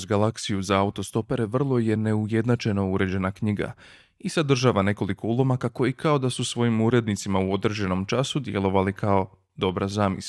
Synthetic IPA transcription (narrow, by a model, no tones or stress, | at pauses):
zɡalaksijuzaaut̪o̞st̪o̞pe̞ɾe̞ʋr̩lˠo̞je̞ne̞uje̞d̪nat͡ʃejno̞uɾe̞d͡ʑe̞nakɲiɡa̰ | iz̥ad̪r̩ʒaːʋane̞ko̞liko̞ulˠo̞makako̞ikao̞d̪asusʋo̞jimuɾe̞d̪nit̪simauo̞d̪ɾed͡ʑe̞no̞mt͡ʃasud̪je̞lˠo̞ʋalikʰao̞ | d̪o̞bɾazaːmḭs